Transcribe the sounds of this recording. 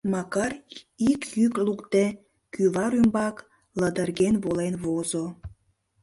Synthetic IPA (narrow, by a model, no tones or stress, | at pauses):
mɑkɑr | ikjyklukt̪e | kyβɑɾymbɑk | ləd̪ərɣenβolenβozo